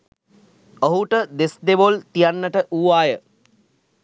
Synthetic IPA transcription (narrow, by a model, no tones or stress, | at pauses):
oɦuʈəd̪esd̪eʋolt̪ijanːəʈəʔuːʋaːjə